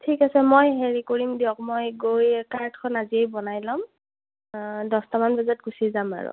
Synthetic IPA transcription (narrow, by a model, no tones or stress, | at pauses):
tʰikasɛmojɦeɹikoɹimdiɔk̚mojɡojkaɹtʰkʰɔnaziejbɔnajlɔm | dɔstamanbazɔtɡusizama̰ɹʊ̰